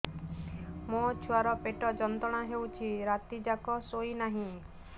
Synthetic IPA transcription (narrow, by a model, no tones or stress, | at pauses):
mõt͡ʃʰuaɾɔpeʈɔd͡ʒɔnt̪ɔɽ̃aɦewt͡ʃʰiɾat̪id͡ʒakɔsoinaɦĩ